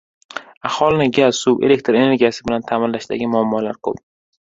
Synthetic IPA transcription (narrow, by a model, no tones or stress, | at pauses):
ahɒlˠɪnɪɡʲasube̞̰le̞k̚t̪ʰɾe̞neɡʲijasɪbɪlant̪ʰamɪnlaʃd̪a̰ɡʲɪmʊamːɒlaɾkʰɵ̰p̚